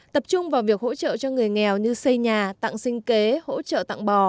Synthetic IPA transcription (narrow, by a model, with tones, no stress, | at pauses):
t̪ə˨˩p̚t͡ɕʊ˧ŋ͡mvaː˨˩wvi˨˩ək̚ho̰˧˥t͡ɕə̰ː˧˨t͡ɕɔ˧ŋɨ˨˩əjŋɛ˨˩wɲɨ˧sə˧jɲaː˨˩t̪a̰˧˨ŋsï˧ŋ̟ke˨˦ho̰˧˥t͡ɕə̰ː˧˨t̪a̰˧˨ŋɓɔ˨˩